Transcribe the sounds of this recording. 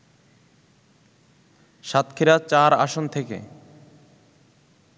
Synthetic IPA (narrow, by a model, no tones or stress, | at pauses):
ʃat̪kʰiɾat͡ɕaɾaʃont̪ʰekḛ